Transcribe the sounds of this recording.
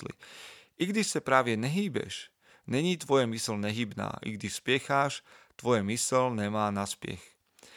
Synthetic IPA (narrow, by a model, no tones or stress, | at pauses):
lḭʔiɡd̪iʃsapɾaːʋjɛɲɛɦiːbɛ̰ʃ | ɲɛɲiːt̪ʋɔjɛmisɛlɲɛɦiːbna̰ːʔḭɡd̪iʃspɪɛxaːʃt̪ʋɔjɛmisɛlɲɛmaːnaspɪɛ̰x